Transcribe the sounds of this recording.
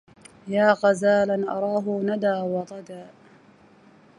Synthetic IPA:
jaːɣɑzaːlanʔɑɾˤɑːɦʊnad̪aːwɑt̪ˤɑd̪aː

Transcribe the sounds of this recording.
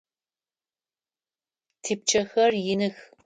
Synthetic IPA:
tʰiːp̚t͡ʃʰɐxɐrjɪnɨx

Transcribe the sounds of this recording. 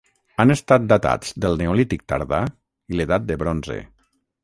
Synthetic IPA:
anest̪at̪̚d̪at̪a̰d͡zd̪əlˠneolit̪ik̚t̪a̰ɾða | ileðat̪̚d̪əβɾonzḛ

